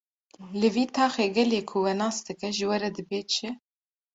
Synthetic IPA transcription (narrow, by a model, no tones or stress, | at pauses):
lɨviːt̪ʰɑːxeːɡɛleːkʰʊwɛnɑːsd̪ɨkɛʒɨwɛɾɛd̪ɨbeːt͡ʃʰɪ